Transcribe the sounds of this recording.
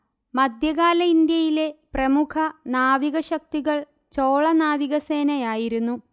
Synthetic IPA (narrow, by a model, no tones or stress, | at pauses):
mɐd̪ʱjɐɣaːlɐind̪jɐjile̞prɐmukʰɐnaːʋiɣɐɕɐk̚t̪iɣɐɭ | t͡ɕoːɭɐnaːʋiɣɐseːnɐjaːjiɾunːu